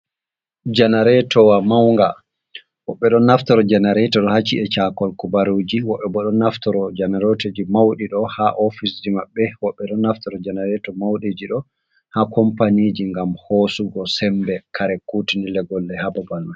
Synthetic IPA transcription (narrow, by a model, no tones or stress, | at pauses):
d͡ʒanaɾɛtɔwamawŋɡa | wɔɓːɛɗɔnːaftɔɾɔd͡ʒanaɾɛtɔɗɔhat͡ʃiɛt͡ʃakɔlkubaɾod͡ʒiwɔɓːɛbɔɗɔnːaftɔɾɔd͡ʒanɛɾoted͡ʒimawɗiɗɔhaʔofisd͡ʒimaɓːɛwɔɓːɛɗɔnːaftɔɾɔd͡ʒanaɾɛtɔmawɗed͡ʒiɗɔ | hakɔmpanid͡ʒiŋɡamhosuɡɔsɛmbɛkʰaɾɛkutinilɛɡɔlːɛhababalma